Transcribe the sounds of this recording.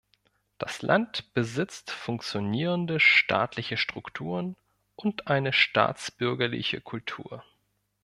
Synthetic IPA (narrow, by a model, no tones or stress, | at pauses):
d̥aslʔa̰ntb̥əzɪt͡stfʊŋk̚t͡sjoniːʁ̞əndəʃtʰa̰ːtlɪçəʃtʁ̥ʊktʰuːʁ̞ən | ʔʊntʔaɪnəʃta̰ːt͡sb̥ʏɐɡɐlɪ̰çə̰kʰʊltʰṵːɐ